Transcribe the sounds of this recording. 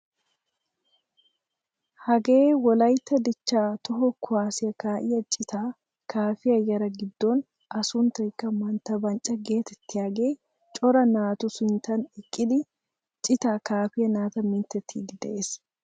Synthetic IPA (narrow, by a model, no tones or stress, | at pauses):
hɐɡeːwɔlɐjt̪ːɐd̪ɪt͡ʃːaːt̪ɔɦɔkʰʊaːsɪjɐkaːʔɪjɐt͡ʃʼɪt̪aː | kʰaːfɪɐjɐɾɐɡɪd̪ːoːn | ʔɐsunt̪ɐɪkːɐmɐnt̪ɐbɐnt͡ʃʼɐɡe̞ːt̪ɛt̪ːɪɐɡeː | t͡ʃʼɔɾɐnaːt̪ʊsʊnt̪ɐnɪkʼːɪd̪ɪ | t͡ʃʼɪt̪aːkaːfɪjɐnaːt̪ɐmɪnt̪ɛt̪ʰːiɡɪd̪ɛʔeːs